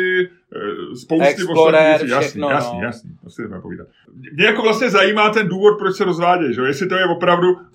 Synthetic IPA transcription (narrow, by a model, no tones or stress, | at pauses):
ɪ | spowst̪ɪpooijasjasɲɛ̰jasɲḭt̪osɪdɛmɛpo̞vḭːda̰t̪ | mmɲɛjako̞vlast̪ɲɛzajiːmaːt̪ɛnduːvo̞t̪̚pɾot͡ʃsɛɾo̞zvaːɟɛjʒɛojɛsɪt̪o̞jɛvo̞pɾavdu